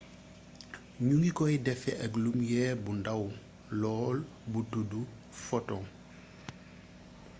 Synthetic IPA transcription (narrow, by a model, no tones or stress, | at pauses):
ɲuŋɡikɔjdɛfɛʔɐklumjɛːbundaw | lɔːl | butudu | fɔtɔŋ